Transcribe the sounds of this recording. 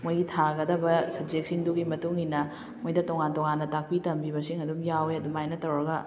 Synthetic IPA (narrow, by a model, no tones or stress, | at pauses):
mojɡitʰaɡɐdɐbɐsɐb̚d͡ʒek̚siŋduɡimɐtuŋinːɐ | mojdɐtoŋantoŋanːɐtak̚pitɐmbiβɐsiŋɐdumjaweɐdumajnɐtɐɾoɾɡɐ